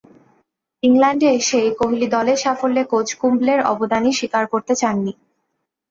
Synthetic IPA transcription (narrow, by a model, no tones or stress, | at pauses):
iŋlɛɳɖeʃejkoɦilid̪ɔleʃafolːekod͡ʑʰkumbleɾɔ̰bod̪aniʃikaɾkoɾt̪et͡ɕanːi